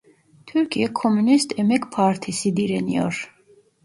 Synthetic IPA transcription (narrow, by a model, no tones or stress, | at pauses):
t̪ʰuɾkʰiɛkʰɔmunist̪ʰɛmɛkpʰaɾt̪ʰisid̪iɾɛniɔ̰ɾ